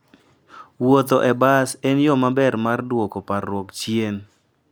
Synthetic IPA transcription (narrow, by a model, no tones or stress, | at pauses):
wot̪oʔɛbasɛnjɔmabɛɾmardwokoparːwokt͡ʃjen